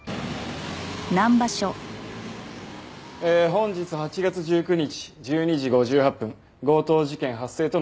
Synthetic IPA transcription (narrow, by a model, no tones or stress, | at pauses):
nãmbaɕo | eɦõ̞ɲ̟d͡ʑit͡sɨhat͡ɕiɡat͡sɨʑɨːkɯ̟ɲ̟it͡ɕi̥ʑɨːɲ̟iʑiɡo̞ʑɨːhapːɯ̟̃ŋ | ɡo̞ːt̪o̞ːʑikẽ̞ɰ̃ɦasːe̞ːt̪o̞